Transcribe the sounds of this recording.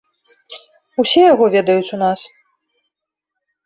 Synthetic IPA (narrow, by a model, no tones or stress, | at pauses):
usʲɛjaɣɔvʲɛd̪ɐjut͡sʲunas